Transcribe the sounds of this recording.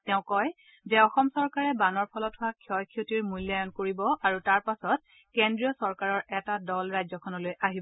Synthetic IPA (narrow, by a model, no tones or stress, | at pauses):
tɛʊ̃kɔj | zɛɔxɔmsɔɹkaɹɛbanɔɹpʰɔlɔtʰhʊwakʰjɔjkʰiotiɹmujljajɔnkoɹibɔʔaɹutaɹpasɔt̚ | kendɹiɔsɔɹkaɹɔɹɛtadɔlɹajzɔkʰɔnɔlojʔaɦibɔ